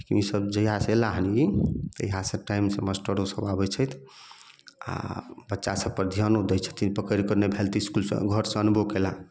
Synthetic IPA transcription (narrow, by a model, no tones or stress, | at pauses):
kimisəbd͡ʒəjɦaselaɦəniit̪ə̰jɦaseʈajmseməsʈəɾosəbabɛt͡ʃʰəjt̪ʰ | a̰bətːʃasəb̚pəɾd̪ʱijanod̪ɛjt͡ʃʰə̥t̪ʰipəkəɾikəɾnebʱelt̪iskulsḛɡʱəɾseənbokela